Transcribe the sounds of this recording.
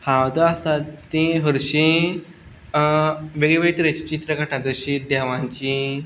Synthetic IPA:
hãwt̪əast̪at̪ĩɦəɾɕĩ | ʋeɡiʋeit̪ɾet͡ɕi̥t͡ɕit̪ɾəkəʈʰãd̪əɕĩd̪ɛʋãɲt͡ɕĩ

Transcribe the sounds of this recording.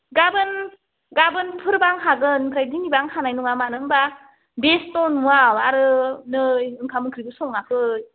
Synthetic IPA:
ɡabɯn | ɡabɯnpʰɯɾbaŋɦaɡɯnpʰɾajdinibaŋhanajnuŋamanɯŋba | bestɔnmuawaɾɯnɯɯŋkʰamɯkʰɾibɯsɔŋakʰɯj

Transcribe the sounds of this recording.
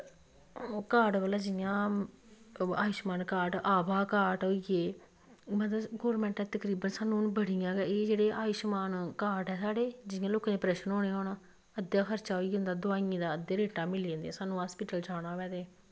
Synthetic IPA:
kaːɖʋəlaːd͡ʒɪjãː | aːjɪʃmaːnkaːʈaːbaːkaːʈɦoːiɡeː | mət̪əɡɔːɾmɛ̃ːɳʈɛ̃ːt̪əkɾiːbənsaːnũːnbəɽijãːɡɛːeːd͡ʒeːɽeːaːjɪʃmaːnkaːʈɦɛːsaːɽeːd͡ʒɪɪjãːloːkaːnẽːpɾɛːʃənɦoːneːɦoːnaː | əd̪jaːxʰəɾt͡ʃaːɦoːiːẽːnd̪aːd̪ʊaːiĩːd̪aːəd̪eːɾeːʈaːmɪliẽːnd̪ɛ̃ːsaːnũːɦaːspɪʈəld͡ʒaːɽ̃ãːʋɛːd̪eː

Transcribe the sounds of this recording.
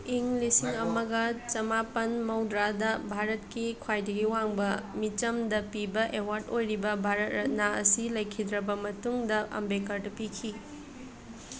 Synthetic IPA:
iŋlisiŋɐmɐɡɐt͡ʃɐmapɐnmɐwdɾadɐbʱaɾɐtkikʰwajdɐɡiwaŋbɐmit͡ʃɐmdɐpibɐʔewaɾtojɾibɐbʱaɾɐt̚ɾɐt̚naɐ̰silɐjkʰidɾɐbɐmɐtuŋdɐʔɐ̰mbekɐɾdɐpikʰi

